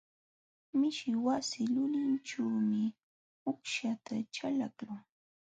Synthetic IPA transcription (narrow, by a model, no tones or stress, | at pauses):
mɪʃɪwasɪlʊʎanʈ͡ʂaːmɪ | ʊkʃat̪aʈ͡ʂalakʊŋ